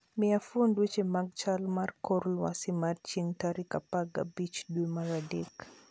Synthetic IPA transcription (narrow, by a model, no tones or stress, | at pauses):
miafuondwet͡ʃemaɡ̚t͡ʃalmarkɔɾlwa̰simadt͡ʃeŋtaɾikapaɡa̰bit͡ʃdwemaɾadek